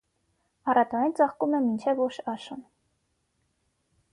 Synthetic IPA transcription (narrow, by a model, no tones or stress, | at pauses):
ɑrɑt̪ɔɛnt͡sɑχkumɛmint͡ʃʰɛvɔʃɑʃun